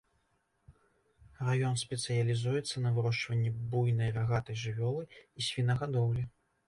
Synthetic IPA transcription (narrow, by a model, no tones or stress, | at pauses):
rajɔnsʲpʲɛt̪sɨjɐlʲizujɛt̪sːɐnɐvɨɾɔʂt͡ʂvɐnʲːɛbujnɐjraɣat̪ɐjʐɨvʲɔlˠɨisʲvʲinɐɣad̪ɔwlʲi